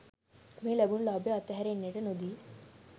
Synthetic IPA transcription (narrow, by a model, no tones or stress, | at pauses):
meːlæbunlaːbjəɐt̪ːəɦɛɾeːnːeʈənod̪iː